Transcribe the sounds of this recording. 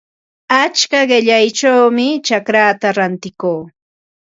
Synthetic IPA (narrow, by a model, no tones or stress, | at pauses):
at͡ʃkaɢɪʎajt͡ʃawmɪt͡ʃakɾaːt̪aɾant̪ɪkoː